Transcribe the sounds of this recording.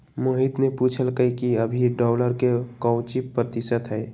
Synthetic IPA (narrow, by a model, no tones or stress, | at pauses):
moɦit̪nepuːt͡ʃʰəlkəikiəbʱiɖɔːləɾkekɔːwt͡ʃipːɾət̪ɪʃət̪ɦɛː